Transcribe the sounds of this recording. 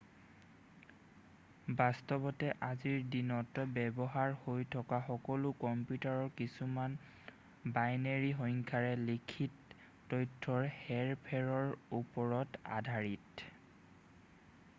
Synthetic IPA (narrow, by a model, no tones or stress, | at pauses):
bastɔbɔtɛʔaziɹdinɔtbɛbɔɦaɹhojtʰɔkaxɔkɔlʊkɔmpjutaɹɔɹkisuman | bajneɹiɦɔŋkʰaɹɛlikʰitː | ɔjtʰːɔɹhɛɹpʰɛɹɔɹupɔɹɔta̰dʱaɹit